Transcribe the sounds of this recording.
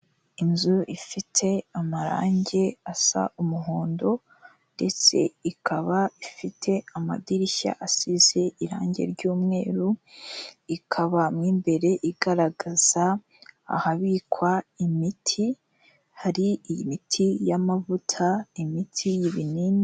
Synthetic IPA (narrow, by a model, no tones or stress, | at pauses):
inzuifitʰe̞amaɾa̰ːɲɟe̞asa̰umuɦoːndo̞ | nde̞t͡se̞̰ikʰaβaifitʰe̞ama̰diɾiça̰ʔasize̞ʔiɾa̰ːɲɟe̞̰ɾɟuːmŋe̞ːɾu | ikʰaβamŋiːmbe̞ɾe̞ʔiɡ̥aɾaɡaz̥a̰ː | haβikwaimitʰi | haɾijimitʰijamavutʰaimitʰijiβinini